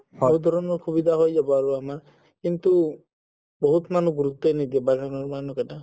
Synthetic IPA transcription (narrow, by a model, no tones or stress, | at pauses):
hɔɹud̪ʱɔɹɔnɔɹkʰubidʱaɦojzabɔaɹuamaɹ | kintu | boɦutmanuɡuɹut̪ːɔjnidiɛbaɡʱanɔɹmanukata